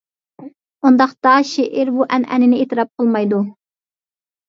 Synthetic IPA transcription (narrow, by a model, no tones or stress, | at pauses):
und̪ɑqt̪ɑʃeʔiɾbuʔɛnʔɛ̰nɪnɪet̪ɨɾɑp̚qʰəlˠmɑjd̪u